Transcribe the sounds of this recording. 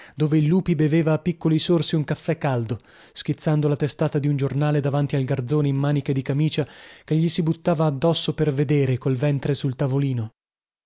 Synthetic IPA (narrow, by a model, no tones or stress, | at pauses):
d̪oːveilːuːpibeveːvaːpːikːolisorsiuŋkafːɛkːald̪o | sk̟it̪sːand̪olat̪est̪aːt̪ad̪iund͡ʒornaːled̪avant̪ialɡard̪zoːneimmaːniked̪ikamiːt͡ʃakeʎːisibut̪ːaːvaːd̪ːɔsːoperved̪eːɾekolvɛnt̪ɾesult̪avoliːno